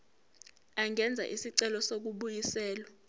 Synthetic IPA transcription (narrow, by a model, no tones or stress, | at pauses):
aŋɛnd͡zʱa̰ʔisiǀɛlɔsok̬uɓujisɛːla